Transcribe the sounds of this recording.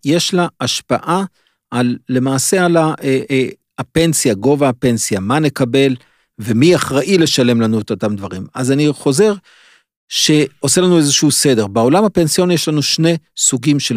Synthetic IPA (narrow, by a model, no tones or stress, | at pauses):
je̞ʃlaːʃpa̰ʔa | ʔalːe̞maːse̞alaʔe | ape̞nsjaɡo̞vaːpe̞nsjamanekabe̞l | ve̞miaχʁaʔile̞ʃale̞mlanuotot̪amd̪vaʁimazaniχo̞ze̞ʁ | ʃe̞o̞se̞lanue̞zeʃuuse̞de̞ʁbeo̞lamhape̞nsijo̞njeʃlanuʃne̞suɡimʃel